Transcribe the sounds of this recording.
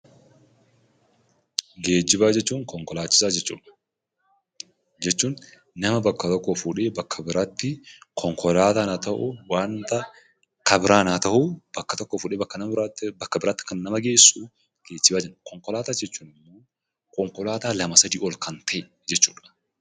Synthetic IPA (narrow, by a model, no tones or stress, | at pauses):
ɡeːd͡ʒːɪbaːd͡ʒɛt͡ʃːuːŋkɔŋkɔlaːt͡ʃːɪ̥saːd͡ʒɛt͡ʃːṵːᶑɐ̥ | d͡ʒɛt͡ʃːuːn | nɐmɐbɐkːɐt̪ɔkːofuᶑe̞ːbɐkʰːɐbɪɾaːt̪ːɪkʰɔŋkʰɔlaːt̪aːnat̪ɐʔʊ̰waːnt̪ɐ | kɐbɪɾaːnat̪ɐʔub̥ɐkːɐt̪ɔkːɔfʊːᶑeːbɐkːɐnɐbɾabɐkːɐbɪɾaːt̪ːɪ̥kɐnnɐmɐɡe̞ːsuː | ɡ̥eːd͡ʒːɪbaːd͡ʒɛnːkɔŋkɔlaːt̪aːd͡ʒɛt͡ʃːuːnɪmːo̞ː | kɔŋkɔlaːt̪aːlɐmɐsɐd̪iːɔlkɐnt̪ʰɐʔɛ | d͡ʒɛt͡ʃːuːᶑɐ̥